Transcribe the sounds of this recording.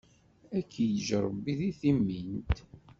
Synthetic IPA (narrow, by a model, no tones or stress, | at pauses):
ækʰːijʒəɾˤəbːiðiθimːint̪